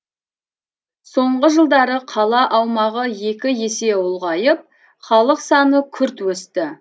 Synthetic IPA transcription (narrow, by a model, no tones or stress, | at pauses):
so̞ɴʁəʒəlˠd̪ɑɾəqʰɑlˠɑʔɑwmɑʁəje̞kʲɪje̞se̞ʊlˠʁɑjəp̚ | χɑlˠəqsɑnəkʲʰʏɾt̪wɵst̪ɪ